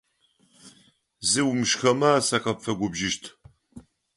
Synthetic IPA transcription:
zɨwʊmʃxɐmaaːsɐqɐpfɐɡʷʊbʒɪʃtʰ

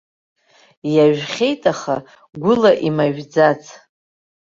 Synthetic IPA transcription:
jaʒᶣχʲe̞jtʼaχa | ɡʷʊlaʔimaʒᶣd͡zat͡sʰ

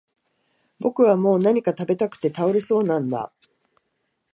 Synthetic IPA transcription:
bo̞kɯ̟β̞amo̞ːnaɲ̟ikat̪abe̞t̪akɯ̟̥t̪e̞t̪aoɾeso̞ːnãnd̪a̰

